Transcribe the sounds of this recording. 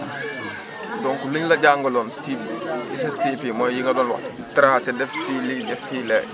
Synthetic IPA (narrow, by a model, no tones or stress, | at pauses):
dɔŋkuluɲlɐɟaːŋɡɔlɔntibḭsɛstipimɔjiŋɐdɔːnlwɐ̰t | tɾaːsɛdɛffilidɛfiːlɛ